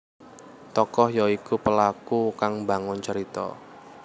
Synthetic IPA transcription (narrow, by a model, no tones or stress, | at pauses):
t̪ɔkɔhjɔikupəlakukaŋba̤ŋʊnt͡ʃəɾit̪ɔ̰